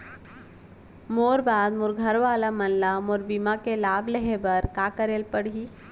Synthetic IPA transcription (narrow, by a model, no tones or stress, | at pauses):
moɾbad̪muːɾɡʱəɾʋalamənlamuːɾbimakelableɦebəɾkakəɾelpəɽi